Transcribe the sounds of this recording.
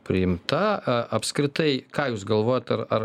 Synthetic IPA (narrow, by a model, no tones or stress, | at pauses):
pʲɾʲɪɪmt̪ɐʔɐpskɾʲɪt̪ɐɪkɑːjuːsɡɐlˠʋoːjot̪ɐɾɐr